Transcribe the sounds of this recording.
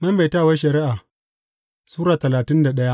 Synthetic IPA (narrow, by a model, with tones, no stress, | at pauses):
mɐ˦mba˨jtaː˦˨wa˦ʃɐ˨ɾɪ˦ʔa˨ | suː˦ɾaː˨tɐ˨laː˨tɪ˦nda˨ɗɐ˦ja˦ʔ